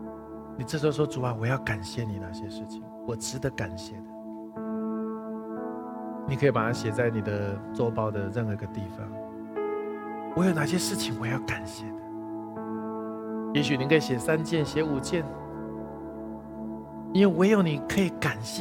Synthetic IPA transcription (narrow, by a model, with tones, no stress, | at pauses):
ni˨˩ʈ͡ʂɤ˥˩ʂ̩˧˥˧wɔ˥ʈ͡ʂu˨˩a˨˧wɔ˨jɑ˥˩ʊka˨˩nɕjɛ˥˩ni˨˩na̰˥˩ɕjɛ˦ʂɻ̩˥˩t͡ɕʰi˨˩ŋwɔ˨˩ʈ͡ʂɻ̩˧˥d̪ə˨ka˨˩nɕjɛ˥˩d̪ə˦ | ni˨˩kʰɤ˧˥i˨˩pa˨˩a˥˦ɕjɛ˨˩t͡sa˥˩ɪni˨˩d̪ə˦t͡sɔ˥pɑ˥ʊd̪ə˨ɻə˥˩nɤ˧˥˧ɡə˧t̪i˥˩fɑ̰˦ŋ | wɔ˧˦jo˨˩ʊna˥˩ɕ̬jɛ˥ʂɻ̩˥˩t͡ɕʰi˨ŋwɔ˨˩jɑ˥˩ʊka˨˩nɕjɛ˥˩d̪ə˩ | jɛ˧˥ɕ̬y˨ni˨kʰə˥i˨˩ɕjɛ˨˩sa˦˥nt͡ɕjɛ˥˨nɕjɛ˧˥u˨˩t͡ɕjɛ˥˨n | i˥nwe˥˩ɪwɔ˧˥jo˨˩ʊni˨˩kʰɤ˧˥i˨˩ka˨˩nɕɛ˥